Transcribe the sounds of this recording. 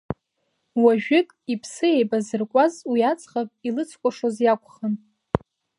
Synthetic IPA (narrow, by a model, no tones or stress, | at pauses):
waʒᶣɪkʼipʰsɨejbazɨrkʷʼazwiat͡sʰʼχapʼilɨt͡sʰkʷʼaʂozjakʷʰʼχən